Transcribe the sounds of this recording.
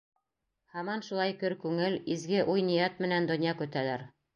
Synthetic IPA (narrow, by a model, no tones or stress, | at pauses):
hɑmɑnʃulˠɑjkɵɾkʉŋɘlizɡɘʔujnijɑt̪mɘ̆nænd̪ŏnjɑkʉt̪ælæɾ